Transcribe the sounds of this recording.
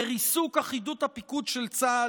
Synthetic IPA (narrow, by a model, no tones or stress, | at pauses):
eʁisukaχidut̪hapikud̪ʃelt͡sa